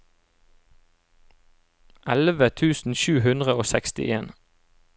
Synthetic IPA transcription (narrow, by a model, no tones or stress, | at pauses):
ʔælʋət̪ʰʉːsn̩ʃʉːhʉnd̪ʁəoːsɛkst̪ɪ̰ʔeːn